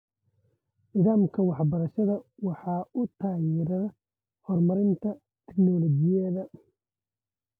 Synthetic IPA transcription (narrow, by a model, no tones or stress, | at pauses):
nɪðaːmkʰɐwɑħbɐɾɐʃɐðɐwɑħɑːʊt̪ʰaːjɪɾɐr | hɔrmɐɾɪnt̪ʰɐ | t̪ʰɛ̥knɔlɔd͡ʒɪjɛðɐ